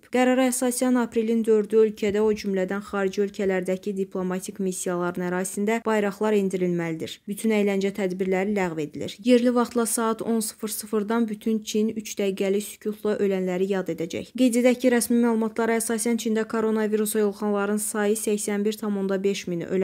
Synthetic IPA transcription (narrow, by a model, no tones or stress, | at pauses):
i̥pɡ̥æɾɑɾɑæsɑsijɑnɑpɾelind̪ø̞ɾd̪yølcʰæd̪æo̞d͡ʒymlæd̪ænxɑːɾid͡ʒiølcʰælæɾd̪æcʰid̪ipʰlˠo̞mɑt̪ʰikmisːijɑlˠɑɾɯnæɾɑːsind̪æb̥ɑjɾɑχlˠɑɾind̪iɾilmælid̪iɾbyt̪ʰynæjlænd͡ʒæt̪ʰæd̪biɾlæɾilæɣve̞d̪ilḭɾje̞ɾlivɑχt̪lˠɑsɑːɑt̪ʰo̞nsɯ̥fɯɾsɯfɯɾd̪ɑnbyt̪ʰynt͡ʃʰinyt͡ʃd̪̥æɡælisy̥cʰut̪ʰlˠɑʔø̞lænlæɾijɑd̪e̞d̪æd͡ʒæ̰çɡe̞jd̪æd̪æcʰiɾæsmimæːlˠumɑt̪ʰlˠɑɾɑæsɑːsænt͡ʃʰind̪ækʰo̞ɾo̞nɑviɾusɑjo̞lˠχɑnlˠɑɾɯnsɑjɯsæçsænbiɾt̪ʰɑmo̞nd̪ɑbe̞ʃminø̰l